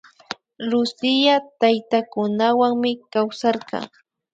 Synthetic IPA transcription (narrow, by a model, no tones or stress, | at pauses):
lʊsɪjat̪ajt̪akʊnawaŋmɪkawsɑɾqɑ̰ŋ